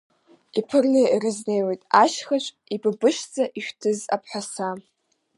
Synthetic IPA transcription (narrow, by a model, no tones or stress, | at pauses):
ipʰɨrleirɨznejwe̞jtʼaʃχat͡ʃʷʼ | ibɨbɨʃd͡zaʔiʃᶣtʰɨza̰pʰħʷasa